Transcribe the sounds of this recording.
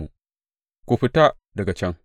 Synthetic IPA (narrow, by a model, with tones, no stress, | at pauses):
u˨ | kʷu˨ɸi˦ta˦ | dɐ˨ɡa˨t͡ʃɐ˦ŋ